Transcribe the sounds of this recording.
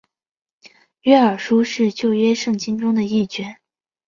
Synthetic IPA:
ɥɛ˥ə˞˨˩ʂu˥ʂɻ̩˥˧t͡ɕjo˥˩ʊɥɛ˥ʂɤ˥˩ŋt͡ɕi˥nʈ͡ʂʊ˥ŋd̪ə˨i˥˩t͡ɕɥɛ˧˥n

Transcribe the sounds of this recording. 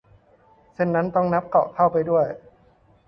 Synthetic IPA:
se˥˩nːa˦˥nt̪ɔ˥˩ŋna˦˥p̚kɔ̰ː˨˩kʰa˥˩wpa˧jdu˥˩əj

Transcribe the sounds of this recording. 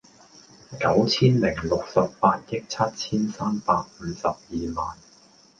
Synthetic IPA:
kɐ˨˥wt͡sʰiː˥nmɪ˨˩ŋlʊ˨k̚sɐ˨ppaː˧t̚jɪ˥k̚t͡sʰɐ˥t̚t͡sʰiː˥nsaː˥mpaː˧k̚m̩ː˨˧sɐ˨p̚jiː˨maː˨n

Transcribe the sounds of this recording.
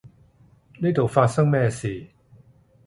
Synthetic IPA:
le˥˨t̪o˨˩faː˧sa˥˨ŋmɛː˧˩si˨˩

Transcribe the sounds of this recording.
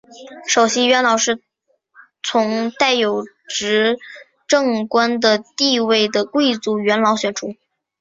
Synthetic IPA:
ʂo˨˩ʊɕi˥ɥɛ˧˥nlɑ˨˩˦ʊʂɻ̩˥˩ | t͡sʰʊ˧˥ŋt̪a˥˩ɪjo˨˩ʊ | ʈ͡ʂɻ̩˧˥ | ʈ͡ʂɤ˥˧ŋkwa˥nd̪ə˨t̪i˥˧we˥˩ɪd̪ə˩kwe˥˧ɪt͡su˧˥˩ɥɛ˧˥nlɑ˧˥ʊɕɥɛ˨˩nʈ͡ʂʰu˧˥

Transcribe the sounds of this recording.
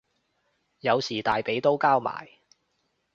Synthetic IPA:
jɐ˨˧wsiː˨˩t̪aː˨jpe˨˥jt̪o˥wkaː˥wma̰ː˨˩j

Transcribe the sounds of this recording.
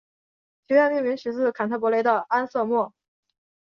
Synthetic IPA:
t͡ɕʰɛ˧˥ɥɛ˥˧nmi˥˩mi˧˥ŋɕy˧˥t͡sɹ̩˥˩kʰa˨˩nt̪ʰa˧˥˩pwɔ˧˥le˧˥ɪd̪ə˧a˥nsɤ˥˧mwɔ˥˩

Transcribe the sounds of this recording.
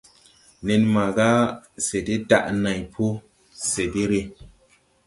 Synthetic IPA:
ne˧nma˨ɡa˦se˨de˦da̰˦ʔna˨jpʰo˦ | se˨de˦ɾe˦

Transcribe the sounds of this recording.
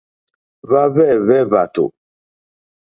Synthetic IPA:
βa˦βɛ˦˨βɛ˦βa˨to̰˨

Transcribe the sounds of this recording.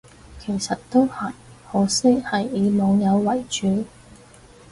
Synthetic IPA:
kʰe˨˩jsɐ˨tt̪o˥whɐ˨˩jhɔː˨˧sɪ˥khɐ˨jiː˨˧mɔː˨˧ŋjɐ˨˧wwɐ˨˩jt͡ʃyː˨˧

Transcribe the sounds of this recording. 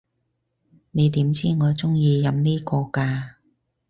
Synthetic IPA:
ne˨˧jt̪iː˨˥mt͡siː˥ŋɔː˨˥t͡sʊ˥ŋjiː˧jɐ˨˧mniː˥kɔː˧kaː˧

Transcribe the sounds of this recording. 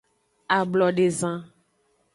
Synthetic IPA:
a˨blɔ˨ɖe˨zã˦

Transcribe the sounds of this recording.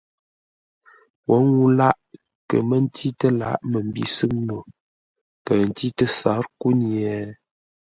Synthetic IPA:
wɔ˨˦ŋu˦la˦ʔ | kə̰˨mə˦n˦tʰi˦tə˦la̰˨˦ʔmə˨m̩˦bḭ˨˦sɨ˦ŋno˨ | kə˨n̩˨ti˦tə˦sa˨˦ɾku˦ni˨ɛ˨

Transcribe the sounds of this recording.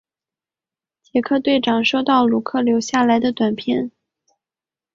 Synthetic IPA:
t͡ɕjɛ˧˥kʰɤ˥˧t̪we˥˩ɪʈ͡ʂɑ˨˩ŋʂo˥˧ʊt̪ɑ˥˩ʊlu˨˧˥kʰɤ˥˩ljo˧˥ʊɕja˥˩la˧˥ɪd̪ə˧t̪wa˨˩npʰjɛ˥˩n

